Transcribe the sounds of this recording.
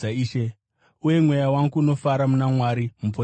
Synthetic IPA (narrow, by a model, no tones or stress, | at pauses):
aiːʃe | uje̞mwe̞jawaŋɡuːno̞faɾamunamwaɾimup̬o